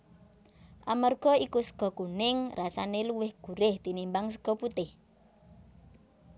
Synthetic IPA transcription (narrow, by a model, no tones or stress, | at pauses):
ʔamərɡ̥ɔ̤ikusə̥ɡ̥ɔ̤kunɪŋrasaneluwɪhɡ̥ṳɾɪht̪inimbaŋs̬əɡ̥ɔ̤put̪ɪh